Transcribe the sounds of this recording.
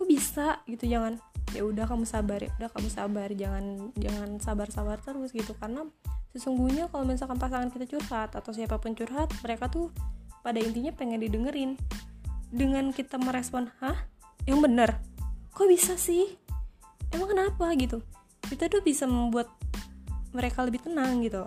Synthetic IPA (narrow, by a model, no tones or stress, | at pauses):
kobisaɡit̪ud͡ʒaŋanja̰udahkamusabarja̰udahkamusabard͡ʒaŋand͡ʒaŋansabarsabart̪əɾʊsɡit̪ukarənasəsuŋɡuɲakalominsalkanpasaŋankit̪at͡ʃurhat̪at̪aws̬iapapʊnt͡ʃurɦat̪̚məɾekat̪upadaint̪iɲapeŋɛndidəŋəɾɪn | dəŋankit̪aməɾespɔnhahjaŋbənərkobisasɪh | emaŋkənat̪̚wahɡit̪u | kit̪at̪ubisaməmbuat̪̚ | məɾekaləbɪht̪ənaŋɡit̪u